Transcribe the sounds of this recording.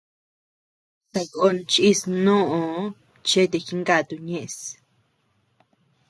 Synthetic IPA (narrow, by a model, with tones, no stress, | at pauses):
sa˧ko˧˦nt͡ʃi˦snõ˦ʔõ˨ | t͡ʃe˦t̪̬e˧˨xi˦ŋɡa˧˨t̪u˧ɲẽ˦ʔs